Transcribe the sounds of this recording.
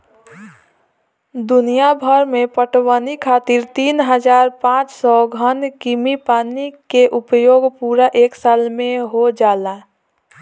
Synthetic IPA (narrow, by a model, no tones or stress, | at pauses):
d̪ʊnijabʱəɾmẽpəʈwanikʰaːt̪iɾt̪iːnɦəd͡ʒaːɾpãːt͡ʃsɔɡʱənkimipaːnikeʔʊpəjoːɡpuːɾaʔeːksaːlmẽɦod͡ʒaːla